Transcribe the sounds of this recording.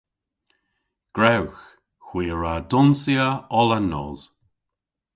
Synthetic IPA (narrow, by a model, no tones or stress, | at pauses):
ɡ̥ɹɛwx | xwiːəɹadʊnsiəɔlənːɔ̰ːz̥